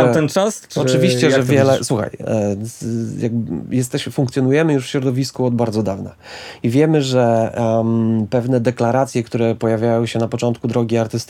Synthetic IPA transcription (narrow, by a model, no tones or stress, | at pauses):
t̪ɛnt͡ʂast͡ʂɔt͡ʂɨvʲiɕt͡ɕɛjʐɛvvjɛlɛswuxa̰j | jaɡbjɛst̪ɛɕfuŋkt̪sjɔnujɛmɘjuʂfɕɾɔd̪ɔvʲiskuɔd̪baɾd̪ɔd̪avna̰ | ivʲjɛmɘʐɛ | pɛvnɛd̪ɛklaɾat̪sʲjɛkt̪uɾɛpɔjavʲjajɔ̃wɕɛnapɔt͡ʂɔnt̪kud̪ɾɔɡʲiaɾt̪ɘst̪